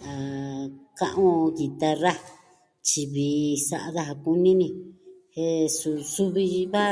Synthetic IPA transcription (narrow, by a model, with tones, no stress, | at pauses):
a˨kã˦˧ʔõ˦˧˦ɣi˨t̪a˧ra˦ | t͡ʃi˧βi˧˨sa˧ʔa˧ða˦ɦa˧ku˧nĩ˦nĩ˧he˧su˧su˦βi˧βa˦